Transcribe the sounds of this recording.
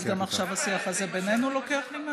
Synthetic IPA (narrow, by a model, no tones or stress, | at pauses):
ɡamaχʃavasiafazebe̞nenulo̞ke̞aχlima